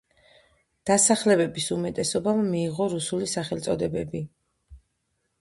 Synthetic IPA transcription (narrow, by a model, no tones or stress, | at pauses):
d̪̥asaχlɛbɛbisumɛt̪ʼɛsɔbammiːʁɔɾusulisaχɛlt̪sʼɔd̪ɛbɛbi